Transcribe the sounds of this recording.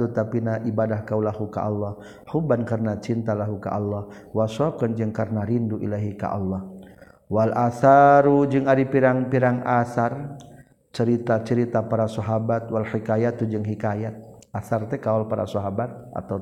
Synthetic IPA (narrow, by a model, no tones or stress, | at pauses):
ut̪apinaʔibadahkaulaɦuka̰ʔɔlːɔh | hubankarnat͡ʃint̪alaɦuka̰ʔɔlːɔh | wasɔkɔnd͡ʒɨŋkarnaɾinduʔḭlaɦika̰ʔɔ̰lːɔh | walʔasaɾud͡ʒɨŋaɾipiɾaŋpiɾaŋasar | t͡ʃəɾit̪at͡ʃəɾit̪apaɾasɔɦabat̪̚walħikajat̪ud͡ʒɨŋɦikajat̪̚asart̪ɛkaɔlpaɾa̰sɔɦabat̪̚ | a̰t̪a